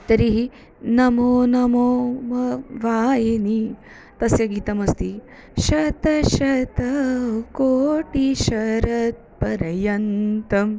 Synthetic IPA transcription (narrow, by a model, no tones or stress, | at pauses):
t̪ɐɾiɦi | nɐmoːnɐmoːmɐʋaːjeni | t̪ɐsjɐɡiːt̪ɐmɐst̪i | ʃɐt̪ɐʃɐt̪ɐkoːʈiʃɐɾɐt̪̚pɐɾɐjɐnt̪ɐm